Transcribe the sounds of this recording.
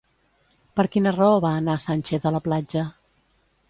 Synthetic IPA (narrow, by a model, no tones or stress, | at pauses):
pəɾkinərɔəβaːnasanʲt͡ʃɛθələplad͡ʒə